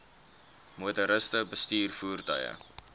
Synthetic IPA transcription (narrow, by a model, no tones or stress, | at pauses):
mutəɾəstəbəstyːrfuːrtœ̰jə̰